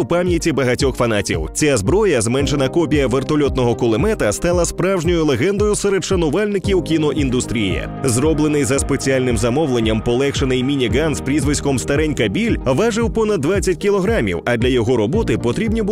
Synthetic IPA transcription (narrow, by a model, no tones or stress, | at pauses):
wpamʲjɐtʲibɐɦɐtʲɔxfɐnatʲḭwt͡sʲazbɾɔjɐzmɛnʃenɐkɔpʲijɐʋert̪ɔlʲɔt̪nɔɦɔkʊlˠɪmɛt̪ɐst̪alˠɐspɾawʒnʲɔjʊlˠeɦɛnd̪ɔjʊsɛɾed̪ʃɐnʊʋalʲnɪkʲiwkʲinɔʔind̪ʊst̪ɾʲijɛ̰ | zrɔblˠenɪjzɐspe̞t͡sʲialʲnɪmzɐmɔwlˠenʲːɐmpɔlˠɛkʃenɪjmʲinʲiɡanspɾʲizʋɪsʲkɔmst̪ɐɾɛnʲkɐbʲilʲʋaʒɪwpɔnɐd̪ːʋat͡sʲːɐtʲkʲilˠɔɦɾamʲḭwɐd̪lʲɐjɔɦɔɾɔbɔt̪ɪpɔt̪ɾʲibnʲibu